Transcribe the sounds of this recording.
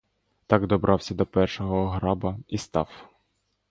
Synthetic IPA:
t̪ɑɡd̪ɔbɾʔɑwsʲɐd̪ɔpɛrʃɔɦɔɦɾɑbɐist̪ɑ̰w

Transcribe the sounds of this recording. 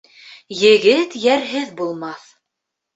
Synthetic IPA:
jɘ̆ɡɘt̪jæɾɦɘðbulˠmɑθ

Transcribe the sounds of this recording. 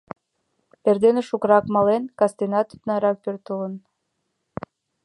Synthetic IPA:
perd̪eneʃukɾɑkmɑlenkɑst̪enɑt̪y̥t̪nɑɾɑk̚pørt̪ələn

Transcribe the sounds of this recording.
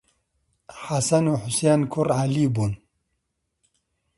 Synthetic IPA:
hasɐnuħʊsenkʰuɾʕalibun

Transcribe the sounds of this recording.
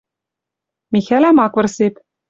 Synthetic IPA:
mʲixælæmɑkʋɤ̆rsepʲ

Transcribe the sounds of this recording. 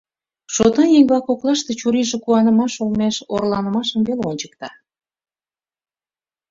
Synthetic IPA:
ʃot̪ɑjeŋbɑkoklɑʃt̪e̽t͡ɕuɾiʒekuɑnəmɑʃolmeʃorlɑnəmɑʃəmβeleonʲt͡ɕə̥k̚t̪ɑ

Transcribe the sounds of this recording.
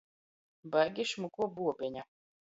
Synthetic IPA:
baɡʲiʃmukuɔbuɔpʲiɲa

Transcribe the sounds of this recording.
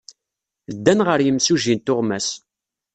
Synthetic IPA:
d̪ːænʁəɾjəmsuʒint̪ʊʁmæs

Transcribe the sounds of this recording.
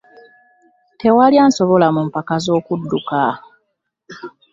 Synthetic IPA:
te̞walijaːnsoβo̞lamumpakazo̞ːkudːuka

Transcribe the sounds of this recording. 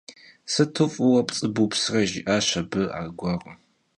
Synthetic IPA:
sɨtʰɨfʼɨwɐpʼt͡sʼɨbupsrɐʒɪʔaːɕɐbɨa̰ːɡʷɑʁɐ

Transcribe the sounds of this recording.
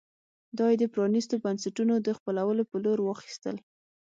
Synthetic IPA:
d̪ɑjed̪əpɾɑnist̪obansaʈunod̪əxpəlawəlopəloɾwɑxi̥st̪ə̰l

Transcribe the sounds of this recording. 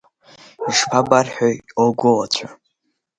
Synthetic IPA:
iʂpʰabarħooɡʷʊlat͡ɕʷʰa

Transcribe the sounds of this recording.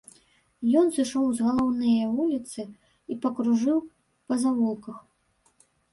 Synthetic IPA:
jɔnsɨʂɔwzɣɐlˠɔwnɨjɐvulʲit̪sɨ | ipɐkɾuʐɨw | pɐzavɔlˠkɐx

